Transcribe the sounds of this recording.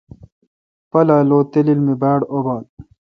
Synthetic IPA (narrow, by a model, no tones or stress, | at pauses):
pɐlaːloːt̪elilmibaːɽobaːl